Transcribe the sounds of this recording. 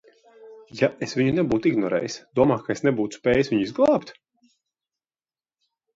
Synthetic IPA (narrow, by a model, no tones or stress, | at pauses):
jaʔesvʲiɲunɛbuːt̪iɡnɔɾɛ̰ːjsd̪̥uɔmaːkaesnɛbuːt̪u̥spʲɛːjsviɲizɡlˠɑːpt̪